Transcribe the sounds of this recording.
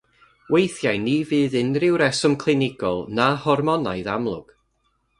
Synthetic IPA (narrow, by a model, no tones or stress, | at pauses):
wejθjajnivɨːðɨnrɪwɾɛsəmkʰlˠɪnɪɡ̥ɔ̰lˠnahɔrmɔnajðamlˠʊ̰ɡ̥